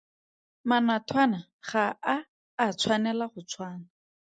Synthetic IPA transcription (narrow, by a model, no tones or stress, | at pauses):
manatʰwana | χaaː | t͡sʰwanɛlaχʊt͡sʰwaːna